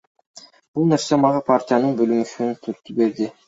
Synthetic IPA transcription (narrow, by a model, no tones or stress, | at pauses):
b̥ulˠne̞ɾse̞mɑʁɑpʰartʲijanɯɴbølymyʃyt̪ʰyɾt̪ːybe̞ɾd̪ɪ